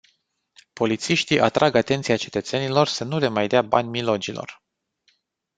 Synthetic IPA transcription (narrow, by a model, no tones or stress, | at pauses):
po̞lit̪siʃt̪iʔat̪ɾʔaɡat̪ent̪siat͡ʃe̞t̪ət̪se̞nilo̞rsənule̞majd̪eaba̰nʲmilo̞d͡ʒilo̰r